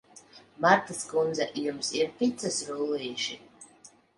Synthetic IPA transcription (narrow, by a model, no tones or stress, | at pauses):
maɾt̪askund̪zaʔjumsiɾpit̪sasɾulijʃi